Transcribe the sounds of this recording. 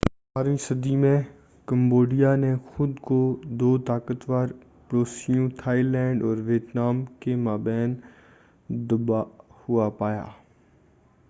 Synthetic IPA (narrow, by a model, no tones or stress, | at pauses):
baːɾmĩsɐd̪imẽ | kɐ̃mboːɖijanexʊd̪kod̪oːt̪aːkət̪ʋaːɾ | pɾoːsijũt̪ʰaːilɛ̃ːɳɖɔːɾʋit̪naːmkemaːbɛːn | d̪ʊbahʊapaːja̰ː